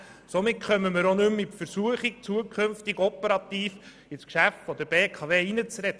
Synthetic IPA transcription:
somɪtχœməməɾonʏmːɪtfəɾsuəχik̚t͡suəkʰχɵnftɪɡɔpəɾɑt̪iːf | ɪskʃæftfɔd̪əɾb̥eːkʰɑveːinət͡sɾɛt

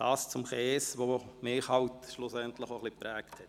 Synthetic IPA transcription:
d̥ɑːst͡sʊmχɛːsʋomɪːχhɑwtʃlʊsɛntlɪχoχlipɾɛːkthɛt

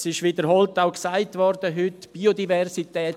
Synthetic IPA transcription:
sɪʃʋid̪əɾɦɔltaʊksaɪtvɔɾd̥əɦʏtb̥iodivɛrsitɛː

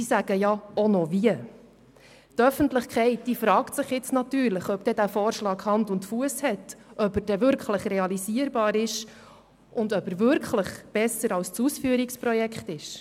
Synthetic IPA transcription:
sisæɡ̥əjɑonɔviə | tœfəntləχkχɛɪt̚d̥iːfɾɑːktsɪχjɪt͡snɑt̪yːɾləχœpd̥ɛdæːfɔːɾʃlɑːɡhɑndʊntfuəshɛtʔœpəɾd̥ɛvʏɾkχləχrɛɑliziəɾbɑːɾɪʃ | ʊndœpəɾvʏɾkχləχb̥ɛsəɾɑlst͡susfyːəɾikspɾɔjɛkʰχtɪʃ

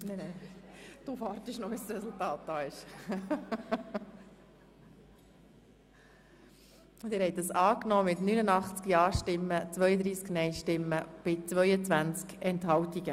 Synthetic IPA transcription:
nɛnɛ | d̥uvɑːɾtəʃnɔʋisɾɛsultɑːt̚d̥̪ɑːɪʃ | ʊt̪dɪːɾhɛɪt̚dɑsɑːknɔːmɪtnynənɑχt͡skjɑːʃtɪmːət͡sʋœʏəd̪ɾiːsknɛɪʃtɪmːəb̥ɪt͡sʋœʏət͡sʋænt͡skɛnthɦɑwtiɡ̥ə

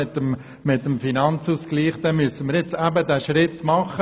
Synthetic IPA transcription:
ɪtəm | mɪtːəmfinɑnt͡suːskliːχd̥ɛnmyəsənməɾjɪt͡sæbədæːʃɾɪtmɑχə

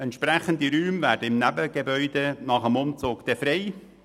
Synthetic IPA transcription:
ɛnt̪ʃpɾæχənd̪iɾyːmvæːɾdəɪmnæbəɡebœʏd̪enɑχəmʊmt͡soːɡ̥d̪̥ɛfɾɛɪ

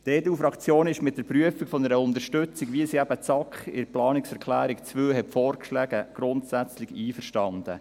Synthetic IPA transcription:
d̥eːtuːfɾɑkt͡sjoːnɪʃmɪt̚d̥əɾpryəfikfɔnəɾəʊndəɾʃtɵt͡sɪɡʋiəsiæbət͡sɑkχɪ̰ɾplɑːnɪksɛɾkʰlæːɾɪkt͡svøːɦɛtfɔːɾkʃlæːɡ̥əɡ̥ɾʊnt̪sæt͡slɪɡiːfəɾʃtɑnd̥ə̰

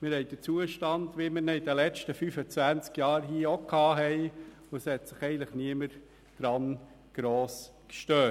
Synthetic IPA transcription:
mɪɾhɛɪd̥ət͡suəʃtɑndʋimɪɾnɛidəlɛt͡ʃtəfyfət͡sʋænt͡skjɑːɾɦiːokʰhɑːɦɛɪ | ʊɛshɛt̪sɪχɛɪɡən̩tləχniəməɾ | d̥ɾɑn | ɡ̥ɾoːs | kʃtœː

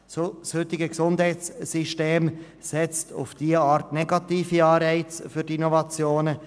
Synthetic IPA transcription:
sshʏtɪɡəksʊndhɛɪtt͡sːiʃteːm | sɛt͡stʊ̰fd̥iːəaːɾtnɛɡɑtiːfiɑːɾɛɪt͡sfyɾdinɔvɑt͡sjoːnə

